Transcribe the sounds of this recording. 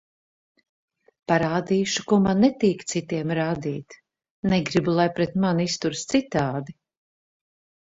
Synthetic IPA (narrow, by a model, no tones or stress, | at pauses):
paɾaːd̪iːʃu̥kuɔmanːɛt̪iːkt̪sit̪iɛmɾaːd̪iːt̪ | nɛɡɾibulˠajpɾɛt̪manist̪uɾst̪sit̪aːd̪i